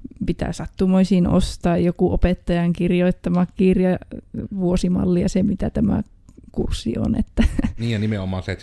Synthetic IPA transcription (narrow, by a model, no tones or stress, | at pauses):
pit̪æ̰sɑt̪ːumoisinʔo̰st̪ɑːjjokuʔopet̪ːɑjɑŋkirjoit̪ːɑmɑkkirjɑʋuosimɑ̰lːijɑsemit̪æt̪æmæ̰ | kṵrsːḭo̰nḛt̪ːæniːjjɑnimeomːˑɑnset̪